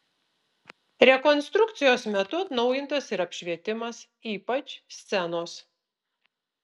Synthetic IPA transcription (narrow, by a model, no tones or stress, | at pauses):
ɾʲɛkɔnʲst̪ɾʊkt̪sʲɪjoːsmʲɛt̪ʊɐt̪nɒʊjɪnt̪ɐsɪɾɐpʲʃʲʋʲiɛt̪ʲɪmɐs | iːpɐt͡ʃʲsʲt̪sʲɛnoːs